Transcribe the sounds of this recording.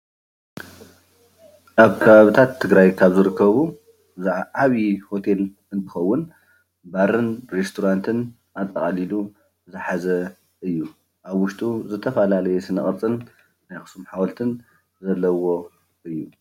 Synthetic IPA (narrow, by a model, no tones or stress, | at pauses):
ʔaβkʰɐβaβit̪ʰat̪ʰːɨɡɾajkʰaβzɨɾɨkʰːɐβu | zaβiho̞t̪ʰe̞l | ɨnt̪ʰɨ̥xɐwːʊn | baɾɨnɾest̪ʰoɾant̪ʰɨn | ʔat̪ʼːɐχʼalilu | zɨħazɐ | ɨjːu | ʔaβwʊʃt̪ʼuzɨt̪ʰɐfɐlalɐjɛsɨnɐχʼɨɾt͡sʼɨnː | ajxɨ̥sumħawɐlt̪ʰɨn | zɐlːɐwo̞ | ɨjːu